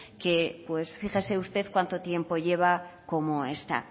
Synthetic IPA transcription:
ke̞pwe̞sfixese̞ust̪e̞ðkwant̪o̞t̪je̞mpo̞ʝe̞β̞ako̞mo̞e̞st̪a̰

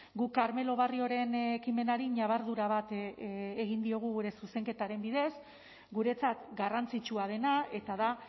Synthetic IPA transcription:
ɡukaɾme̞lo̞β̞ario̞ɾe̞nekime̞naɾiɲaβ̞aɾðuɾaβ̞at̪ː | ɣ̞ind̪io̞ɣ̞uɣuɾe̞suse̞ŋke̞t̪aɾe̞mbiðe̞s | ɡuɾe̞t͡sat̪ɡarant͡sit͡ʃuað̞e̞nae̞t̪aða

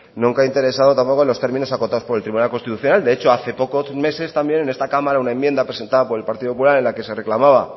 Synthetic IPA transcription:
nũŋkaint̪e̞ɾe̞saðo̞t̪ampo̞ko̞nlo̞st̪e̞ɾmĩno̞sako̞t̪aðo̞spo̞elt̪ɾiβunalkost̪it̪uθjo̞nald̪e̞et͡ʃo̞aθe̞po̞kome̞se̞st̪ambje̞ne̞ne̞st̪akamaɾaunaemje̞nd̪apɾese̞nt̪aðapo̞ɾe̞lpaɾt̪iðopop̬ulaɾe̞nlake̞se̞re̞klamaβ̞a

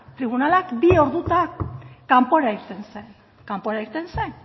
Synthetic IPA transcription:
t̪ɾiβ̞unalakbio̞ɾðut̪akampo̞ɾaiɾt̪ensen | kampo̞ɾaiɾt̪e̞nsen

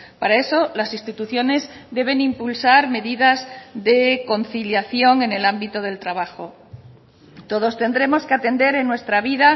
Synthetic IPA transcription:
paɾae̞so̞lasist̪it̪uθjo̞ne̞zd̪e̞β̞e̞nĩmpulsaɾme̞ðiðazðe̞ko̞nθiljaθjo̞ŋe̞ne̞lambit̪oð̞e̞lt̪ɾaβ̞axo̞ | t̪o̞ð̞o̞st̪e̞nd̪ɾe̞mo̞ske̞at̪e̞nd̪e̞ɾe̞nːwe̞st̪ɾaβ̞iða

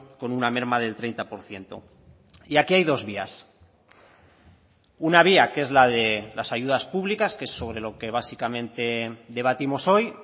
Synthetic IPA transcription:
ko̞nuname̞ɾmaðe̞lt̪ɾe̞jnt̪apo̞ɾθje̞nt̪o̞̰ | iakiajðo̞zβia̰s | unaβ̞iake̞zlaðe̞lasaʝuðaspuβlikaske̞sːo̞β̞ɾe̞lo̞ke̞β̞asikamẽ̞nt̪e̞ðe̞βat̪imo̞so̞j

